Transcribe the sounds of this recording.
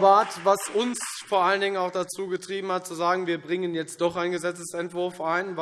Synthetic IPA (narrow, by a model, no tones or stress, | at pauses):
baːtvasʊnsfoːɐʔaləndɪŋənaʊxd̥at͡suːɡətʁ̥iːbm̩hat̚t͡suzaːɡŋ̩viːɐbʁɪŋənjɛt͡st̚d̥ɔχaɪnɡəzɛt͡səsɛntv̥ʊɐfʔaɪnv